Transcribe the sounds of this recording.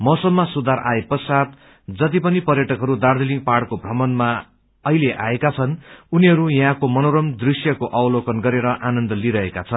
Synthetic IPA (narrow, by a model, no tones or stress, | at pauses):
mʌsʌmːasud̪aɾʔa̰epʌsat̪ | d͡zʌt̪̬ipʌnipʌrjʌʈʌkɦʌɾud̪ard̪iliŋɡpaɽkobʱrʌmʌnma | ʌileʔaekat͡sʰʌnuniɦʌɾujʌ̃ɦãkomʌnoɾʌmd̪risjʌkoʔawlokʌnɡʌɾeɾʌʔanʌnd̪ʌliɾʌɦekat͡sʰʌn